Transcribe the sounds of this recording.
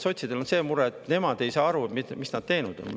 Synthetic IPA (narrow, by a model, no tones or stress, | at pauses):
so̞t̪ʲsid̪̥e̞lo̞nse̞ːmuɾet̪ˑne̞mɑd̪̥e̞jsɑːɑɾuet̪mimisnɑd̥̪̚t̪e̞jnud̪̥o̞̰n